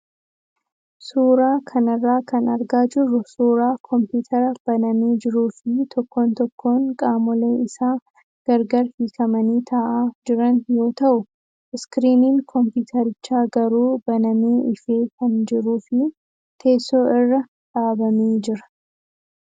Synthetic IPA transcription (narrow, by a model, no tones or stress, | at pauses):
suːɾaːkʰɐnɐrːaːkɐnɐɾɡaːd͡ʒɪrːʊsuːɾaːkʰɔmpjuːt̪ʰɐɾɐb̥ɐnɐmeːd͡ʒɪɾuːfɪt̪ʰɔkːo̞ːnt̪ɔkːo̞ːŋkʼaːmɔleːɪsaː | ɡ̥ɐɾɡɐɾhiːkʰɐmɐniːt̪ʰɐʔaːd͡ʒɪɾɐnjo̞ːt̪ɐʔʊ | ɪskɾiːniːŋkʰɔmpuːt̪ʰɐɾɪt͡ʃːaːɡɐɾuːbɐnɐmeːʔɪfeːkʰɐnd͡ʒɪɾuːfɪ | t̪ʰe̞ːsːo̞ːɪrːɐ | ᶑaːbɐmeːd͡ʒɪɾɐ̥